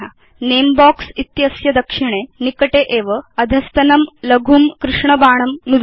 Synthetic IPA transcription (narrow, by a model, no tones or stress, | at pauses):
a̰ | neːmbaːksit̪jɐsjɐd̪ɐkʂiɽ̃enikɐʈeʔeːʋɐɐd̪ʱɐst̪ɐnɐmlɐɡʱumkɾɪʂɳɐbaːɳ̃ɐmnud̪